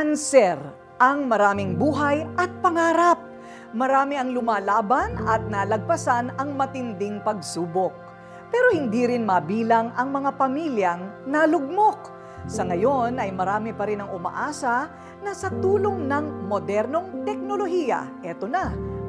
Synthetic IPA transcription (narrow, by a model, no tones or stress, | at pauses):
ɐnsɛɾ | ʔɐŋmɐɾaːmɪŋbuːɦɐjʔɐt̪̚pɐŋaːɾɐp̚ | mɐɾaːmɪʔɐŋlʊmaːlaːbɐnɐ̰t̪̚nalɐɡ̚pɐsanɐŋmɐt̪ɪnd̪ɪŋpɐɡsuːbok̚ | pɛːɾo̞hɪnd̪iɾɪnmɐbiːlɐŋʔɐŋmɐŋapɐmiːljɐŋnɐlʊɡ̚mo̞k̚ | sɐŋɐjo̞nɐjmɐɾaːmɪpɐɾɪnɐŋʊmɐ̰ʔaːsɐ | nɐsɐt̪uːlo̞ŋnɐŋmo̞d̪ɛɾno̞ŋt̪ɛk̚no̞lo̞ɦijɐ̰ʔɛt̪onɐ